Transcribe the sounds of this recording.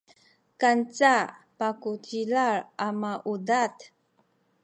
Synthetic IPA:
kant͡sapakutilaɾʔamaʔudat

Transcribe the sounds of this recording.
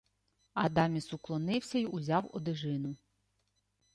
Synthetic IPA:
ɐd̪ɑmʲisʊklˠɔnɪwsʲɐiʔuzʲɑwɔ̰d̪ɪʒɪnʊ

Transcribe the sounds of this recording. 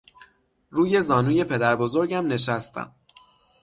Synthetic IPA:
ɾuːje̞zɒːnuːje̞pʰe̞d̪æɾbo̞zo̞ɾɟæmne̞ʃ̬æst̪ʰæ̰m

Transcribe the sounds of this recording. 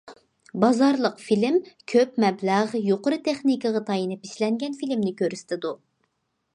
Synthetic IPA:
bɑzɑɾlˠəqfilɪmkʲʰøpmɛblæʁjoqʊɾɨt̪ʰeχnikəʁɑt̪ʰɑjinɪpiʃlɛŋɡʲɛnfilɪmnɪkʲøɾysɪ̥t̪ʰɪd̪u

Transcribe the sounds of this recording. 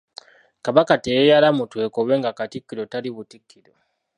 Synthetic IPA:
kaβakateejalamutwe̞ːkoβwe̞ːŋɡakatikːiɾo̞taliβutikʰːiɾo

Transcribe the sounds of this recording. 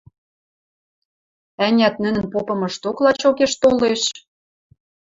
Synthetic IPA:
ænʲæt̪̚nɘ̆nə̆npopɤ̆mɤ̆ʃt̪oklɑt͡ɕokeʃt̪oleʃ

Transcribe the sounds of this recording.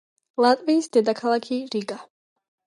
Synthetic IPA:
lˠat̪ʼviːsd̪ɛd̪akʰalˠakʰiɾiɡa

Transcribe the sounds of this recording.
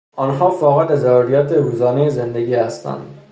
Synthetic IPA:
ɒːnɦɒːfɒːɣed̪ezæɾɾijɒːt̪ʰeɾuːzɒːnejezend̪eɡiːhæst̪ʰæ̰nd̪̥

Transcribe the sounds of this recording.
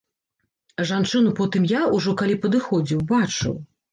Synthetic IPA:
ʐant͡ʂɨnupɔt̪ɨmjauʐɔkalʲipɐd̪ɨxɔd͡zʲiwbat͡ʂɨ̰w

